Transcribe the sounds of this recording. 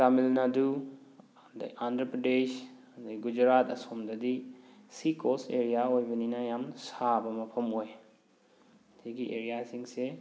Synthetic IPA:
tamilnadu | dɐ̰andɾɐpɾɐdes | d̪iɡud͡ʒɾat̪ɐ̰somd̪ɐd̪isikoseɾijaojbɐninajamsabɐmɐpʰɐmoj | tʰiɡiʔḛɾijasiŋse

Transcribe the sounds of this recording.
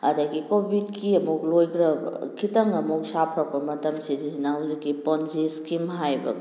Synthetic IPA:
ɐdaɡikobʱid̚kiɐmuk̚lojɡɾɐbɐ̰kʰitɐŋɐmuk̚sapʰɾak̚pɐmɐtɐmsizinaɦwzikːiponziskimɦajbɐ̰

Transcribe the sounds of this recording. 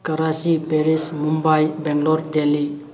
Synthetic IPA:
kɐɾasipeɾismumbajbɛŋɡlɔɾd̪eli

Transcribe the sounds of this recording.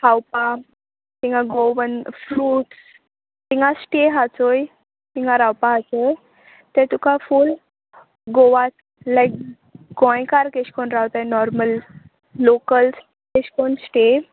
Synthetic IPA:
hawpa | t̪iŋɡãɡoʋənfɾuːʈs | t̪iŋɡasʈeɦat͡soj | t̪iŋɡãɾawpaat͡se | t̪ɛt̪ukaful | ɡoʋas | lajk̚ | ɡɔ̃jkaɾkeɕkonɾawt̪ajnɔɾməlː | okəls | keɕkonsʈe

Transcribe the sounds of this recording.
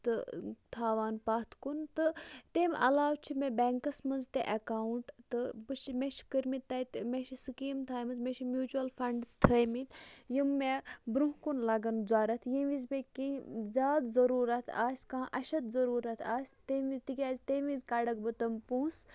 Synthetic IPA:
t̪ɨt̪ʰaːʋaːnpat̪ʰkunt̪ɨt̪emʔɐ̰laːwt͡ʃʰimebeːŋkɐsmɐnzt̪ḛʔɐkaːuɳʈt̪ɨbɨʃmeʃkəɾʲmit̪ːɐt̪meʃisɨkiːmt̪ʰaːjmɨzmeʃʰimjuːt͡ʃuɐlfɐɳɖzt̪ʰɐjmit̪jimːebɾũɦkunlɐɡɐnuzaːɾɐt̪ʰjiʋizbekĩzʲaːd̪zɐɾuːɾɐt̪ʰa̰ːsʲkãːʔɐʃɐd̪zɐɾuːɾɐt̪ʰaːsʲt̪eizt̪ikʲaːzʲt̪eʋĩzkaɖɐk̚bɨt̪ɐmpũːs

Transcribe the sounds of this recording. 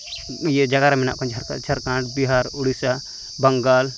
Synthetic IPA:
jɛd͡ʒaɡaɾamɛna̰ʔkʰɔ̃ɲd͡ʒʱaɾka̰t͡ʃʰəɾkãɳʈbiɦaɾuɽisa | bəŋɡal

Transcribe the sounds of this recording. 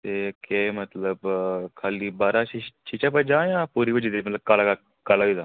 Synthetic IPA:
t̪ekemət̪ləbkʰaːlibaːɾait͡ʃiʃap̬əd͡ʒãːjãːpuɾibəd͡ʒid̪emɐt̪ləb̚kalaka | kaːlaʋid̪a

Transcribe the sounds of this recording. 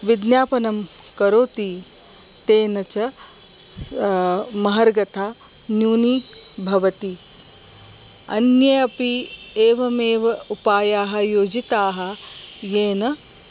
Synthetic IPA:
ʋid̪njaːpɐnɐm | kɐɾoːt̪i | t̪eːnɐt͡ʃɐ | mɐɦɐɾɡɐt̪ʰaː | njuːnibʱɐʋɐt̪i | ɐ̰njɐjɐpi | eːʋɐmeːʋɐupaːjaːɦɐ̆joːd͡ʒit̪aːɦɐ̆jeːnɐ

